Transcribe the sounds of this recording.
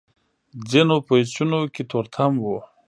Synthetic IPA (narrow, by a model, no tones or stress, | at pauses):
d͡zinopoit͡ɕunokit̪ʰoɾt̪ʰamwo